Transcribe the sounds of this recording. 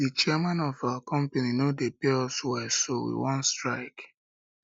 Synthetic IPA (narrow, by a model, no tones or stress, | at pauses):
dit͡ʃiɛmãnɔvawakʰɔ̃mpeninodepeɔswɛsowḭwɔ̃nstɹaɪk